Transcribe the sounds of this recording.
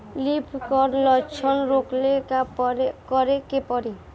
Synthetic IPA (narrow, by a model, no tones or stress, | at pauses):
lipʰkɔɾlɔt͡ʃʰɔnɾoklekapɾekɔɾekepɔɾi